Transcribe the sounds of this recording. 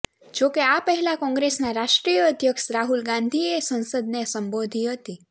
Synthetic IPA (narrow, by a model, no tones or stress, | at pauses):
d͡ʒokeapəɦɛlakɔ̃ŋɡɾesnaɾaʃʈɾijəːd̪ʱjəkʃɾaɦulɡãnd̪ʱiesə̃nsəd̪nesəmbod̪ʱiɦət̪i